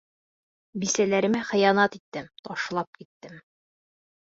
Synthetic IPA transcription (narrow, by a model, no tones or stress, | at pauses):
bisælæɾɘ̆mæχɘ̆jɑnɑt̪it̪ːɘmt̪ɒʃlˠɑp̚kit̪ːɘm